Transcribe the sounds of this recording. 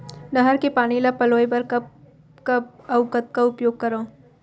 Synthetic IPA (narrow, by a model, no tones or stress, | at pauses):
nəɦəɾkepaːnilapɐloːjbɐɾkɐ | kaɐʊkət̪̚kaʊpjoːɡ̚kɐɾõː